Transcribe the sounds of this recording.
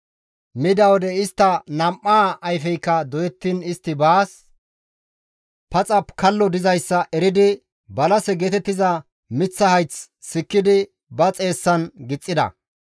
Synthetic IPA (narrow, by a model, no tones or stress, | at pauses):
mɪd̪ɐwɔd̪ɛɪst̪ːɐnɐmʔːaːjfɛjkːɐd̪ɔjɛt̪ːiːnɪst̪ːɪbaːs | pɐt͡sʼɐpkʰɐlːɔd̪ɪzɐjsːɐʔɛɾɪd̪ɪ | bɐlɐsɛɡeːt̪ɛt̪ːɪzɐ | mɪt͡sːɐhɐjt͡s | sɪkːɪd̪ɪ | bɐt͡sʼe̞ːsːɐnɡɪt͡sʼːɪd̪ɐ̰